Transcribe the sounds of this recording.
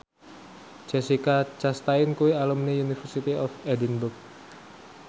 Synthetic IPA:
d͡ʒɛsikat͡ʃast̪ainkuwialumniunifərsit̪iɔfɛdinbʊrk̚

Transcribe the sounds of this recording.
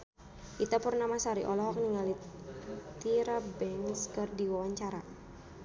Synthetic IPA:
ʔit̪apurnamasaɾiʔɔlɔɦɔk̚niŋali | t̪iɾabɛŋskərdiwawaɲt͡ʃaɾa

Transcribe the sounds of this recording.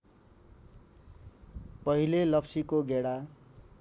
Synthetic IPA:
pʌɦilelʌpsikoɡeɽa

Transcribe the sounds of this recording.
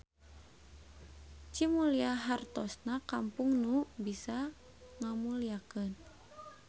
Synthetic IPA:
t͡ʃimuliaɦart̪ɔsnakampuŋnubisa | ŋamuliakən

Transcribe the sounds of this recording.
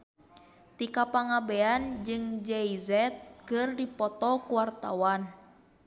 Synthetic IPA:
t̪ikapaŋabɛand͡ʒɨŋd͡ʒɛizɛt̪̚kɨrdipɔt̪ɔkuwart̪a̰wan

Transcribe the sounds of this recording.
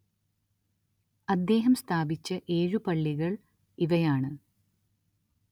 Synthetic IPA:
ɐd̪ːe̞ːɦɐmst̪ʰaːbit͡ɕːɐʔe̞ːɻupɐɭːiɣɐɭ | iʋɐjaːɳɨ

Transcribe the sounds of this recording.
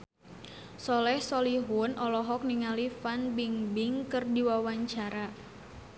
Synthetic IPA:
sɔlɛhsɔliɦʊnʔɔlɔɦɔk̚niŋalifanbiŋbɪŋkɨrdiwawaɲt͡ʃaɾa

